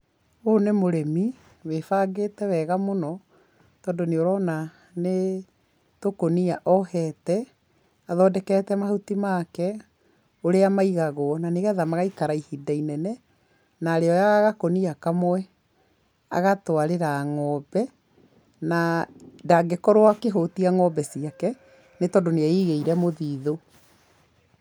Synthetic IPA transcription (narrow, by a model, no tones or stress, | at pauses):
onemoɾemi | wefaɡeːtɛwɛɣamonɔ | tɔːndoneoɾɔna | ne | tokoniaʔɔhɛtɛ | aðɔdɛkɛtɛmahutimaːkɛ | oɾeamaiɣaɣoɔnaneɣɛðamaɣaikaɾaihidainɛnɛ | naːɾeɔjaaɣakoniakamwɛ | a̰ɣatoaɾeɾaŋɔbɛ | nadaɡekɔɾoakeɦotiaŋɔbɛsiakɛ | netɔndoneaiɣeiɾɛmoðiːðo